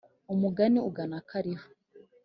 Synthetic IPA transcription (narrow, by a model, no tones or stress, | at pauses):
umuɡaniuɡanakaɾihu̥